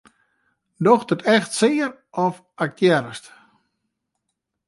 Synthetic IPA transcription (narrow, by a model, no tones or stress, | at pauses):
dɔxdətʰɛxtsɪːər | ɔf | ɛk̚tjɛɾəst